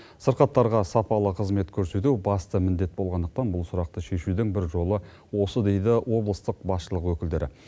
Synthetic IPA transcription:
səɾqɑt̪ːɑɾʁɑsɑpɑlˠəqʰəzme̞t̪kʲʰɵɾse̞t̪ubɑst̪əmɪnd̪e̞t̪̚bo̞lˠʁɑnd̪əq̚t̪ɑnbʊlˠsʊɾɑq̚t̪əʃe̞ʃud̪ɪŋbɪɾʒo̞lˠə | wo̞səd̪e̞jd̪ɪwo̞blˠəst̪əq̚bɑsʃəlˠəqwɵkʲɪld̪e̞ɾɪ̰

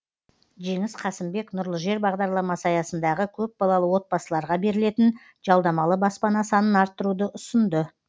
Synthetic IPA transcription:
ʒe̞ŋɪsqʰɑsəɪmbe̞knʊɾlˠəʒe̞ɾbɑʁd̪ɑɾlˠɑmɑsɑjɑsənd̪ɑʁəkʲʰɵp̚bɑlˠɑlˠəwo̞t̪̚bɑsəlˠɑɾʁɑbe̞ɾɪle̞t̪ɪn | ʒ̥ɑlˠd̪ɑmɑlˠəbɑspɑnɑsɑnənɑɾt̪ːəɾud̪əʔʊsənd̪ə

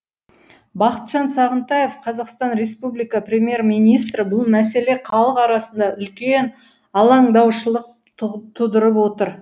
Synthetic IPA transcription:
bɑqə̥t̪ʒ̥ɑnsɑʁənt̪ɑjefqʰɑzɑqst̪ɑnɾe̞spublijkɑprʲemʲje̞ɾmijnijst̪ɾəbʊlˠmæse̞leqʰɑlˠəqɑɾɑsənd̪ɑʔʏlkʲen | ɑlˠɑɴd̪ɑwʃəlˠəq̚ | t̪ʰʊd̪əɾəp̬wo̞t̪əɾ

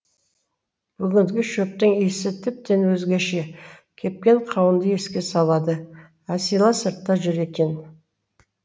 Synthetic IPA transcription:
b̥ʏɡʲɪnd̪ɪɡʲɪʃɵp̚t̪əŋijsɪt̪ʰɪp̚t̪e̞nwɵzɡʲeʃe̞kʲʰe̞p̚kʲe̞ɴqʰɑwənd̪əje̞skʲe̞sɑlˠɑd̪ə | æsijlˠɑsəɾt̪ːɑʒʏɾe̞k̪ʲe̞n

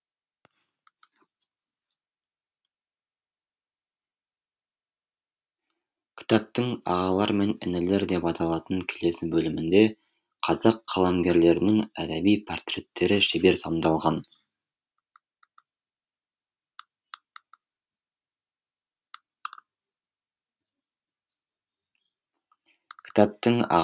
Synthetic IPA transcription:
kʲʰɪ̥t̪ɑp̚t̪ɪŋɑ̰ʁɑlˠɑɾme̞nɪ̰nɪle̞ɾd̪e̞pɑt̪ʰɑlˠɑt̪əŋkʲʰele̞sɪbɵlɪmɪnd̪e̞ | qʰɑzɑqʰːɑlˠɑmɡʲe̞ɾle̞ɾɪnɪŋæd̪æbijpʰo̞rt̪rʲe̞t̪ʰːe̞ɾɪʃɪbe̞ɾsomd̪ɑlˠʁɑn | kʲʰɪ̥t̪ɑp̚t̪ɪŋɑ̰

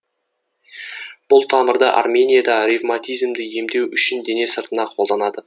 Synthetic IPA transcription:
b̥ʊlˠt̪ʰɑməɾd̪əʔa̰rmʲe̞nʲijad̪ɑɾivmat̪ijzmd̪ɪje̞md̪e̞wʏʃɪnd̪e̞ne̞səɾt̪ənɑqʰo̞lˠd̪ɑnɑd̪ə

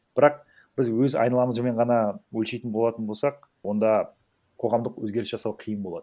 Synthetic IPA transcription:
b̥ɪɾɑq̚ | b̥ɪzwɵzɑ̰jnɑlˠɑməzme̞ɴʁɑnɑwɵlʃejt̪ɪnbo̞lˠɑt̪ənbo̞lˠsɑq̚ | wo̞nd̪ɑ | qʰo̞ʁɑmd̪əqwɵ̰zɡʲe̞ɾɪsʒɑsɑwqʰijəmbolˠɑd̪ə

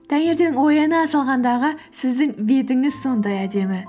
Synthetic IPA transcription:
t̪ʰæŋe̞ɾd̪e̞nɪŋwo̞jɑnəːsɑlˠʁɑnd̪ɑʁəsɪzd̪ɪŋbe̞t̪ɪŋɪzso̞nd̪ɑjæd̪e̞mɪ

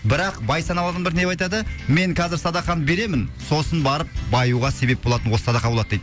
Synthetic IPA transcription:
bɪɾɑqbɑjsɑnɑmɑd̪ɑnbɪɾnepɑjt̪ɑd̪əme̞ŋqʰɑzɪɾsɑd̪ɑχɑnbe̞ɾe̞mɪnso̞sənbɑɾəp̚bɑjuʁɑse̞be̞p̚bo̞lˠɑt̪ənwosə̥sɑd̪ɑqɑbolˠɑd̪əd̪ejd̪

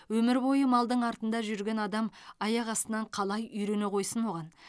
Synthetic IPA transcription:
wɵmɪɾbo̞jəmɑlˠd̪əɴɑɾt̪ənd̪ɑʒʏɾɡʲe̞nɑd̪ɑmɑjɑqɑst̪ənɑɴqʰɑlˠɑjʏjɾe̞neqʰo̞jsənwo̞ʁɑn

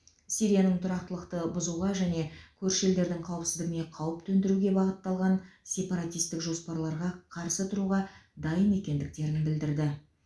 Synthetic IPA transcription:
sʲijɾijanəɴt̪ʰʊɾɑq̚t̪əlˠəqt̪əbʊzuʁɑʒæne̞kʲʰɵɾʃe̞ld̪e̞ɾd̪ɪŋqʰɑwəpsɪzd̪ɪɡʲɪme̞qʰɑwəpt̪ʰɵnd̪ɪɾuɡʲe̞bɑʁət̪ːɑlˠʁɑnsʲe̞pɑɾat̪ijst̪ɪkʒo̞spɑɾlˠɑɾʁɑqʰɑɾsət̪ʰʊɾuʁɑd̪ɑjəme̞kʲe̞nd̪ɪk̚t̪e̞ɾɪnbɪld̪ɪɾd̪ɪ

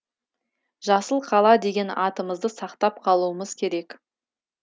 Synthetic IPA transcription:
ʒɑsəlˠqʰɑlˠɑd̪e̞ɡʲe̞nɑt̪əməzd̪əsɑqt̪ɑp̚qʰɑlˠuəməzkʲʰe̞ɾe̞k

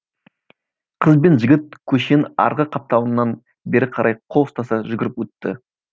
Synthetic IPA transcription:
qʰəzbe̞nʒɪɡʲɪt̪̚kʲʰɵʃenɑ̰ɾʁəqʰɑp̚t̪ɑwənːɑn | be̞ɾɪqʰɑɾɑjqʰoʊst̪ɑsɑʒʏɡʲɪɾɪpwɵt̪ːɪ̰

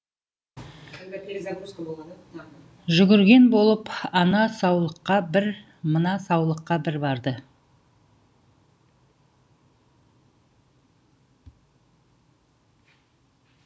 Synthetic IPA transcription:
solˠd̪ | ʒʏɡʲɪɾɡʲe̞nbo̞lˠəpɑnɑsɑwlˠəqːɑbɪɾ | mənɑsɑwlˠəqːɑbɪɾbɑɾd̪ə

